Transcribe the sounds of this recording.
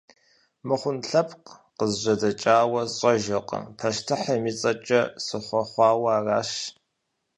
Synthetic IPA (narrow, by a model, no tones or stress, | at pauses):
mɨχʷʊnɬɐpʰʼqqəzʑɐdɐt͡ʃʼaːwɐzɕʼɐʒɐqʼɐ̰pʰɐʃtʰɨħɐmiːt͡sʼɐt͡ʃʼɐsɨχʷɔχʷɑːwaːraːʃ